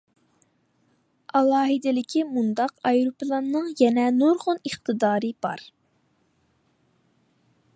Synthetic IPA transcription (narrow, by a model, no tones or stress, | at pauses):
ɑlˠɑːɦɨd̪ɪlɪkʲʰimund̪ɑqɑjɾupɨlˠɑnːɨŋjɛnɛnoɾʁʊniχt̪ʰɨd̪ɑːɾɨb̥ɑ̰ɾ